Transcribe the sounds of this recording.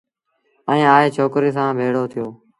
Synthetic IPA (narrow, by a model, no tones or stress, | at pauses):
ɛ̃ẽːaːeːt͡ʃʰoːkɾiːsãːbʱeːɽoːt̪ʰɪjoː